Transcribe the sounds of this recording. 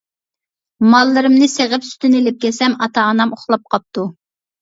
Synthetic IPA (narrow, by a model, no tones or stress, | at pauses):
mɑlˠːɨɾɨmnɨseʁəpsy̥t̪ɪnɪlɪp̚kʲɛsɛmɑt̪ʰɑːnɑmoχlˠɑp̚qʰɑp̚t̪u